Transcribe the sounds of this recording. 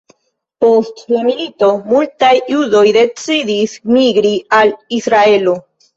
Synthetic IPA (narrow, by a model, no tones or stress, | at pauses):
po̞stlamilit̪o̞mult̪ajiud̪o̞jd̪e̞t͡sidismiɡɾialisɾae̞lo